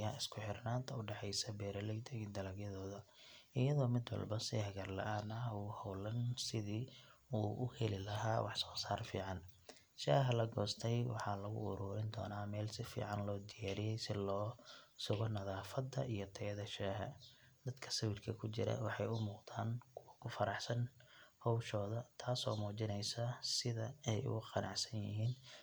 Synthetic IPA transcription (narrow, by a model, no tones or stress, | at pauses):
jaːɪskʰʊħɪrnaːnt̪ʰɐʊɖɛħɛjsɐbɛːɾɐlɛɡd̪ɛɡid̪ɐlɐɡjɐðɔːðɐ | ɪjɐðɔːmɪd̪wɐ̰lbɐsɪhɐɣɐrlɐ̰ʔaːnɐuːhɔwlɐnsɪðiːuːʔʊhɛlɪlɐɦaːwʔɑħsɔːsaːrfḭːʕɑn | ʃaːɦɐlɐɡɔːst̪ʰɛjwɑ̰ħɑːlɐɣʊ̰ʊ̰ɾuːɾɪnd̪ɔ̰ːnaːmɛːlsɪfḭːʕɑnlɔːd̪ɪjaːɾɪjɛjsɪlɔːsʊɣɔnɐðaːfɐd̪ɐ̰ʔijɔt̪ʰɛjðɐʃaːɦɐ̰ | d̪̥ɐd̪kʰɐ̥sɐwɪrkʰɐkʰʊt͡ʃɪɾɐ̰wɑħɑjʊmuːqd̪aːnkʰʊwɐkʰʊfɐɾɑħsɐnhɔwʃɔːðɐt̪ʰaːsɔ̰ːmuːt͡ʃɪnɛjsɐsɪðɐɛjʊ̰ɣʊqɑnʔɑ̰ʕsɐnjɪ̰ɦiːn